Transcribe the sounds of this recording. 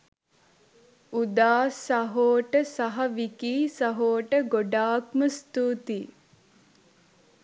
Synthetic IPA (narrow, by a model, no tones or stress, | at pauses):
ud̪aːsɐɦoːʈəsɐɦɐʋikiːsɐɦoːʈəɡoɖaːkməst̪uːt̪i